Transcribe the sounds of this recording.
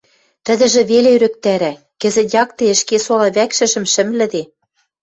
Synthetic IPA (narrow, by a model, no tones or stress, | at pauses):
t̪ə̆d̪ɘ̆ʒĕβeleyɾɘ̆k̚t̪æɾæ | kɘ̆zɘ̆t̪jɑk̚t̪eə̆ʃkesolɑβækʃɘ̆ʒɘ̆mʃɘ̆mlɘ̆d̪e